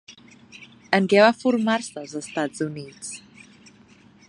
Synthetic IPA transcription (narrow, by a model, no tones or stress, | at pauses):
ənɡɛwafʊrmarsazəstadz̥uniːd̥z̥